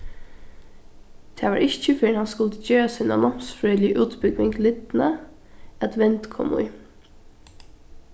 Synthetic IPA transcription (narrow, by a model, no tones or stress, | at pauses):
t̪ʰeːʋɑːɹʔɪçəfɪhɑnskʊlt̪əd͡ʒøːsina̰nɔmsfɾœʏlɪəʔʉːt̪bʏɡʋɪŋɡlɪd̪nə | ɑd̪ʋɛnt̪kʰɔ̰mʊ̰ʏ